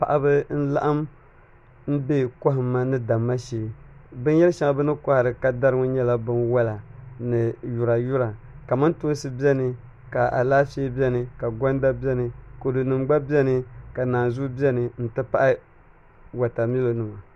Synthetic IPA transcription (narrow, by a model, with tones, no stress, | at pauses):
pa̰˨ʔa˨bɨ˦n̩˦la̰˦ʔa˦m | m̩˦be˦kɔ˦ɦɨ˨mːa˦nɨ˦da˨mːa˦ʃeː˨bɨ˦n˦jɛ˦lʃa˨˦ŋa˦bɨ˦nɨ˦ka˦ha˨ɾɨ˨ka˨da˦ɾɨ˦ŋɔ˦ɲɛ˦la˦bɨ˦nwa˦la˨nɨ˨ju˨ɾa˨ju˦ɾa˨ | ka˨ma˦nto˦n˦sɨ˦bi˦ɛ˦nɨ˨ | ka˨ʔa̰˨laː˦feː˦bɛ˦nɨ˨ka˨ɡɔ˦nda˦bi˦ɛ˦nɨ˨ko˨dɨ˨nɨ˨mɡ͡ba˦bi˦ɛ˦nɨ˦ka˨naː˨nzu˦bi˦ɛ˦nɨ˨n̩˦tɨ˦pa˦ʔa˦ | wa˨ta˨mi˦lo˨nɨ˨ma˨